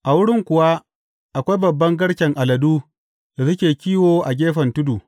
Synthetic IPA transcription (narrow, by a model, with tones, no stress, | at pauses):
ʔa˨wʊ˦ɽɪ˦ŋkʷʊ˨wa˦ | ʔa˨kʷa˦jbɐ˨bːɐ˦ŋɡɐ˦ɽkʲɛ˨ŋʔa˨lɐ˨duː˦ | da˨sʊ˦kʲeː˨kʲiː˦woː˨ʔa̰˨ɡʲeː˦ɸɐ˨ntʊ˦duː˨